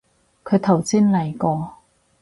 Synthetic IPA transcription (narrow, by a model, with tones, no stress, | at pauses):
kʰɵ˨˧ɥt̪ʰɐ˨˩wsiː˥nlɐ˨˩jkɔː˧